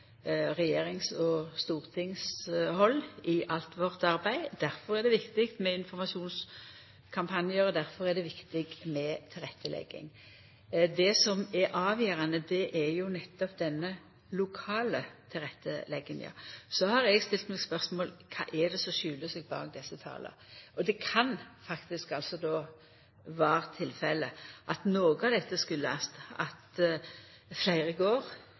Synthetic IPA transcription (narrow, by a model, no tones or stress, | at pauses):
ʁɛjeːɾɪŋsɔst̪uːʁt̪ʰɪŋshɔlːɪʔɑlt̪ʋɔʁt̪ɑɾbæɪd̪̥æɾfɔɾæɾd̪ɛʋɪkt̪ɪkt̪mɛɪnfɔɾmɑsuːns | kʰɑmpʰɑnjəɾɔd̪æɾfɔʁɛd̪ɛʋɪkt̪ɪɡmɛt̪ʰɪlʁɛt̪ʰːəlɛ̰ɡːɪ̰ŋ | d̪ɛsɔmɛɾʔɑːʋjeːʁɑnəd̪ɛʔæɾjʊnɛt̪ːɔpd̪ɛnːə | lʊkʰɑːlət̪ʰɪlʁɛt̪ːəlɛɡːənjɑ̰ːsɔhɑɾɛɡst̪ɪlt̪mɛɡspœɾsmoːlkʰɑ̰ːʔɛd̪ɛsɔʃʉːləsɛɡ̚bɑ̰ːɡd̪ɛsːət̪ʰɑ̰ːlə̰ | ʔɔd̪ɛkʰɑnfɑkt̪ɪskɑlsɔd̪oː | ʋæːʁt̪ʰɪlfɛləʔɑt̪noːɡəɑʋd̪ɛt̪ːəskʉlːəɑst̪ɑ̰t̪ | flæɪʁəɡoːʁ